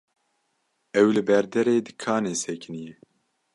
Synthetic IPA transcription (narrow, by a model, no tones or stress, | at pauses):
ɛwlɨbɛɾd̪ɛɾeːd̪ɨkʰaːneːsɛkʰɨnijɛ